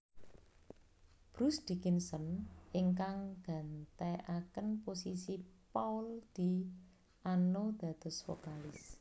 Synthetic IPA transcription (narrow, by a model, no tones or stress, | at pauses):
b̥ɾusd̪̥ikinsɔnʔiŋkaŋɡ̥a̤nt̪eʔakənposisipawld̪̥i̤ | ʔanod̪̥ä̤d̪̥ɔ̤sfo̰kalɪs